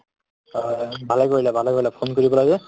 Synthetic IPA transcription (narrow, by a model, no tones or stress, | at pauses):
bʱalɛkoɹilɛbʱalɛkoɹilɛpʰonkoɹibɔlaɡɛ